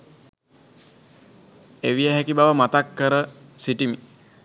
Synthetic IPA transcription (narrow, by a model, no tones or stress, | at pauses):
eʋijəɦækibaʋəmat̪akːəɾəsiʈimi